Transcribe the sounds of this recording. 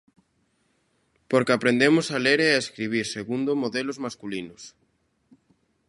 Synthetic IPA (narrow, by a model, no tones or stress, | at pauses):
poɾkapɾend̪emosaleɾeaeskɾiβ̞iɾseɣund̪omoðelozmaskulinʊs